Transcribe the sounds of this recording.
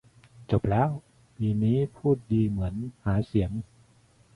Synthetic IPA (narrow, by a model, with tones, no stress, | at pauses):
t͡ɕo˨˩p̚lɛː˦˥w | piː˧niː˦˥pʰuː˥˩t̪̚diː˧mɯ˩˦ənhaː˩˦si˩˦əŋ